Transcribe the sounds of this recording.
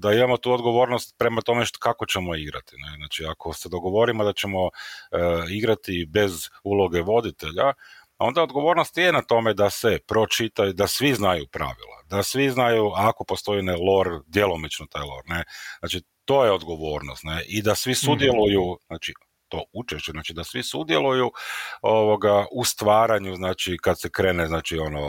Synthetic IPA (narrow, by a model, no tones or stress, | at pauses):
d̪aimamo̞t̪uːod̪ɡo̞ʋo̞ːɾnost̪̚pɾe̞mat̪o̞me̞ʃkako̞t͡ɕe̞mo̞iɡɾa̰t̪ineznaːt͡ʃiakʰo̞sed̪o̞ɡo̞ʋo̞ɾimod̪at͡ʃe̞mo̞ | iɡɾat̪ibe̞zulo̞ɡe̞ʋo̞d̪it̪e̞ʎa | o̞nd̪aod̪ɡo̞ʋo̞ːɾnost̪je̞nat̪o̞me̞d̪asepɾo̞t͡ʃit̪ajud̪asʋiznajupɾa̰ʋḭlˠa̰d̪asʋiznajuako̞po̞st̪o̞inelˠo̞ɾd̪je̞lˠo̞mit͡ʃnot̪aːjlˠo̞̰ɾneznaːt͡ʃi | t̪o̞ːjeo̞d̪ɡo̞ʋo̞ːɾnost̪neʔid̪asʋisud̪je̞lˠujuznaːt͡ʃi | t̪o̞ut͡ʃeʃt͡ʃeznaːt͡ʃid̪asʋisud̪jelujuoʋo̞ɡaʔust̪ʋaːɾaɲuznaːt͡ʃikad̪sekɾe̞ːneznaːt͡ʃio̞no